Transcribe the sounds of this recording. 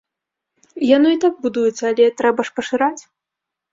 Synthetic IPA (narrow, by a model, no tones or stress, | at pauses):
januit̪ak̚bud̪ujɛt̪sːɐːlʲɛt̪ɾɛbɐʂpɐʂɨɾat͡sʲ